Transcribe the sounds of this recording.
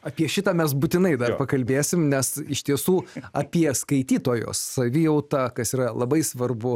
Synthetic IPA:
ɐpʲiɛʃʲɪt̪ɑːmʲɛs̬but̪ʲɪnɐɪd̪ɐpɐkɐlʲbʲeːsʲɪmnʲɛsɪʃt̪ʲiɛsuːɐpʲiɛskɐɪt̪ʲiːt̪oːjo̰ːsːɐʋʲɪjɛʊt̪ɑːkɐsiːɾɐlˠɐbɐɪsʋɐrbʊ

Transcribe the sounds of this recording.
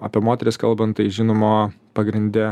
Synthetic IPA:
ɐpʲiɛmoːt̪ʲɛɾʲɪskɐlˠbɐnt̪t̪ɐɪʒʲɪnoːmoː | pɐɡɾʲɪnʲd̪ʲɛ

